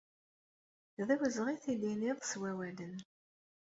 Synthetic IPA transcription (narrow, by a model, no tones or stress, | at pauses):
ðæwəzʁiθiliniðˤswæwælən